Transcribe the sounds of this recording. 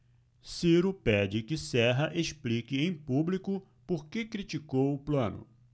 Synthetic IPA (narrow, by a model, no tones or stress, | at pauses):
siɾʊpɛd͡ʒɪkɪsɛɦɐʔeʃplikɪẽj̃publikʊ | poɾkekɾit͡ʃikowʊplɐ̃nʊ̰